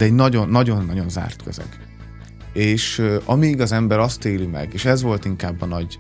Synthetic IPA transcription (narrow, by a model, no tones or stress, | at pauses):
d̪̥ɛɛɟnɒɟo̞nːɒɟo̞nːɒɟo̞nza̰ːrt̪kʰø̰zɛ̰ɡ | eːʃɒmiɡɒzɛmbɛɾɒst̪eːlimɛ̰ɡeːʃɛzʋo̞lt̪iŋkaːbːɒnɒɟ